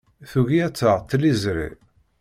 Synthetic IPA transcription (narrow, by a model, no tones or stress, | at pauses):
θuʝiæt͡sːəʁt̪ːlizɾḭ